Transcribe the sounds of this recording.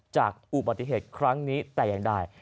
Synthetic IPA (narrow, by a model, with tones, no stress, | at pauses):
t͡ɕaː˨˩k̚ʔu˨˩ba˨˩t̪ːi˨˩ɦeː˨˩t̪̚kʰɾa˦˥ŋniː˦˥t̪ɛː˨˩jaː˨˩ŋda˧˩j